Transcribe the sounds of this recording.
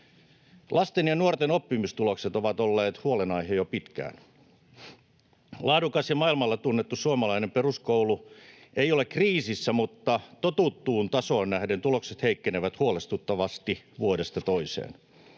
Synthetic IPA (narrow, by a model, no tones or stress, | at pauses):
lʔɑst̪enjɑnuort̪enopːimist̪ulokset̪oʋɑt̪olːeːt̪huolenɑihejopit̪kæ̰ːn | lɑːdukɑsjɑmɑilmɑlːɑt̪unːet̪ːussuomɑlɑinemperuskoulueiolekkriːsisːæmut̪ːɑt̪ot̪ut̪ːuːnt̪ɑsoːnnæhdent̪ulokset̪heikːeneʋæt̪huolest̪ut̪ːɑʋɑst̪iʋuodest̪ɑt̪oisḛːn